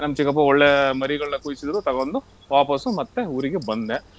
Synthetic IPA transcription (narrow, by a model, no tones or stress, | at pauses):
nɐmːɐt͡ʃikɐp̬ːɐɔɭːemɐɾiɡɐɭɐnɐkuːjisid̪ɐɾut̪ɐɡɐond̪u | ʋaːpɐsumɐt̪ːeuːɾiɡebɐnd̪e